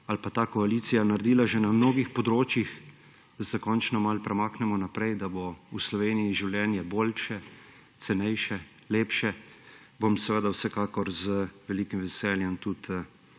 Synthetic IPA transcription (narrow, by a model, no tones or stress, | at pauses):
alpat̪aːkɔaliːt̪sijanaɾd̪iːlaʒɛnamnoːɡixpɔd̪ɾoːt͡ʃjix | d̪̥asɛkɔːnt͡ʃnɔmalpɾɛmaːknɛmɔnapɾɛjd̪abouslɔʋeːnijiʒiwljɛːnjɛboːlʃɛ | t̪sɛnɛjʃɛ | leːpʃɛ | bomsɛʋəd̪awsɛkaːkɔɾzəʋɛlikimʋɛsɛːljɛmt̪ut̪